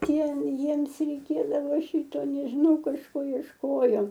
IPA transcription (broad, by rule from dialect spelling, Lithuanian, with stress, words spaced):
ˈtʲiɛ ˈjiɛms rʲɛɪˈkʲeːdɐʋoː ˈʃʲiːtoː nʲɛʒʲɪˈnɐʊ kɐʃˈkoː iɛʃˈkoːjoː